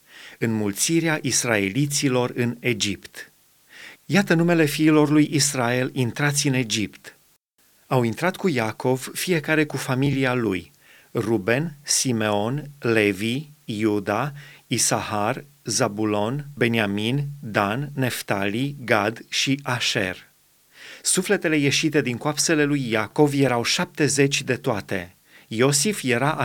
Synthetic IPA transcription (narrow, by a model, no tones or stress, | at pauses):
ɨnmult̪siɾeaʔisrae̞lit̪silo̞rɨne̞d͡ʒipt̪ | jat̪ənume̞le̞fiːlo̞rlujʔisrae̞lint̪ɾat̪sʲɨne̞d͡ʒipt̪ | awint̪ɾat̪kujako̞vfije̞kaɾe̞kufamilialṵj | rube̞nsime̞o̞nle̞vijud̪aisahar | zabulo̞nbe̞niamind̪anːe̞ft̪aliɡad̪ʃiʔaʃe̞̰r | sufle̞t̪e̞le̞je̞ʃit̪e̞d̪iŋkoapse̞le̞lujːako̞vje̞ɾawʃap̚t̪e̞ze̞t͡ʃʲd̪e̞t̪oat̪e̞̰ | jo̞sifje̞ɾaʔ